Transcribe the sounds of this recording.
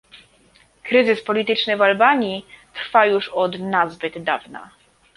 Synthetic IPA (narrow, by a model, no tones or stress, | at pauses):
kɾɘzɘspɔlʲit̪ɘt͡ʂnɘvalbaɲit̪ɾfajuʂɔd̪nazbɘd̪ːavna̰